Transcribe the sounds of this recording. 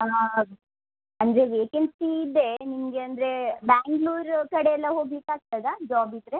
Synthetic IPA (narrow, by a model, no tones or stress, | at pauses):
a | ɐnd̪ɾe̞ʋeːkensiːd̪ːenimɡeɐnd̪ɾe̞baːŋɡluːɾkɐɽeɛlːɐɦoːɡikaːɡ̚t̪ad̪ad͡ʒaːbid̪ɾe̞